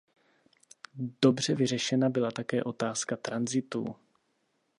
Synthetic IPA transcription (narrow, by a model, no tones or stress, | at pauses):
d̥o̞br̝ɛvɪr̝ɛʃɛnabɪlat̪akɛːʔo̞t̪aːskat̪ɾanzɪt̪ṵː